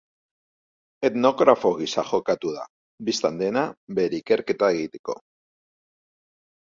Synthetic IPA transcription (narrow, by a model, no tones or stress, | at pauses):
e̞t̪no̞ɣɾafo̞ɣisaxo̞kat̪uð̞a̰ | bist̪and̪e̞nabe̞ɾeike̞ɾke̞t̪aeɣit̪e̞̥ko̞̰